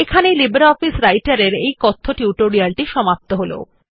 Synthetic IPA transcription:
ekʰanejlibeɾaɔfisɾajʈaɾeɾejkɔt̪ʰːoʈiuʈoɾialʈiʃɔmap̚t̪oɦolo̰

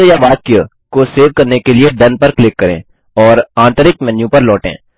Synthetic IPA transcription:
jaʋaːt̪̚kijə | koseːʋkɐɾnekelieɖɐnpɐɾklɪkːɐɾḛ̃ː | ɔːɾãːnt̪əɾɪkmɛnjũpɐɾlɔːʈḛ̃ː

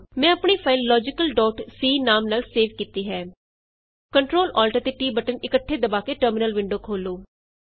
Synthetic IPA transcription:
mɛ̃ːəpɳiːpʰaːɪlːɔːd͡ʒɪkəlɖɔːʈsiːnaːmnaːlseːʋkiːt̪iːɦɛː | kəɳʈɾoːlʔɔːlʈəɾt̪eːʈiːbəʈənɪkəʈʰːeːd̪əbaːkeːʈəɾmɪnəlʋɪɳɖoːkʰoːloː

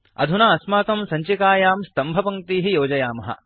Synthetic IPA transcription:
ɐ̰d̪ʱunaːɐsmaːk̪ɐmsɐɲt͡ʃikaːjaːmst̪ɐmbʱɐpɐŋt̪iːɦijoːd͡ʒɐjaːmɐɦɐ̰

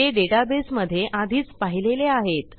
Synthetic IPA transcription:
eɖeʈabesməd̪ʱːjeʔʔad̪ʱiːt͡spaɦileleaɦet̪

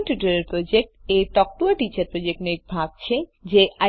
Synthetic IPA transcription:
nʈuʈaɾeɾpɾod͡ʑek̚ʈet̪ɔk̚ʈuaʈit͡ɕaɾpɾod͡ʑek̚ʈnek̚bʱaɡ̚t͡ɕʰed͡ʑeʔa

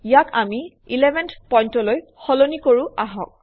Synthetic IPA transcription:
ijakami | ilɛbʱɛntpɔjntɔloj | xɔlonikoɹũaɦɔ̰̃k̚

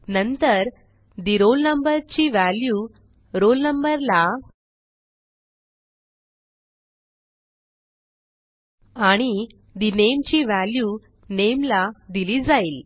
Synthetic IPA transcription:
nənt̪əɾ | d̪iɾolnəmbəɾt͡ɕiːʋælju | ɾolnəmbəɾla | aɽ̃i | d̪inemt͡ɕiːʋælju | nemlad̪iliːd͡zaiːl

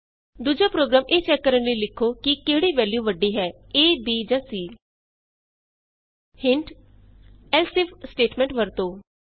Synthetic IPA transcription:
d̪uːd͡ʒaːpɾoːɡɾaːmʔeːst͡ʃɛːkːəɾənliːlɪkʰːoːkɪkeːɽiːʋɛːljuːʋəɖːiːɦɛː | eːbiːd͡ʒãːsiː | hɪɳʈ | ɛːlsɪfsʈeːʈmɛ̃ːɳʈʋəɾt̪oː

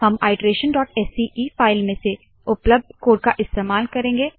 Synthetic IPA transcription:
hɐmaːɪɖɾeːʃənɖɔːʈɛsiʔiːfaːɪlmẽse | ʊpləb̚d̪̚koːɖ̚kaʔɪst̪eːmaːlkɐɾẽːŋɡeː

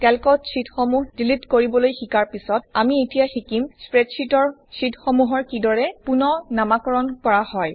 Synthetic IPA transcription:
kɛlkɔtsitxomuɦdilitkoɹibɔlojxikaɹpisɔtamietijaxikimspɹɛdsitɔɹsitxomuɦɔɹkidɔɹɛpunɔnamakɔɹɔnkɔɹahɔj

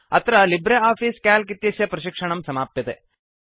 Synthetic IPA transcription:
ɐt̪ʰɾɐlibɾeaːpʰiːskaːlkit̪jɐsjɐpɾɐʃikʂɐɳɐmsɐmaːpjɐt̪e

